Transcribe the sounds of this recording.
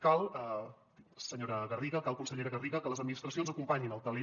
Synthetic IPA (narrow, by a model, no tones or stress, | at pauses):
kalˠə | səɲoɾəɣəriɣəkalˠkunsəʎeɾəɣəriɣəkələzəd̪minist̪ɾəsionzəkumpaɲinəlˠt̪əle